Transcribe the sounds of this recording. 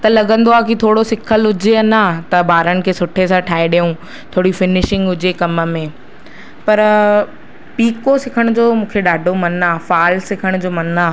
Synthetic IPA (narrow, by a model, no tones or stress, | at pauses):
t̪ɐlɐɠə̃nd̪oaːkit̪ʰoːɽosɪkʰəlʊd͡ʑeɐnat̪ɐbaːɾəñɪ̆kʰeːsʊʈʰesãʈʰaːeɗijũ | t̪ʰoːɽifɪnɪʃɪ̃ŋɡʊd͡ʑekɐmə̆mẽ | pɐɾ | piːkosɪkʰəɽ̃ʊd͡ʑoːmũːkʰeɗaːɖʱomɐnaːfaːlsɪkʰəɽ̃d͡ʑoːmɐnaː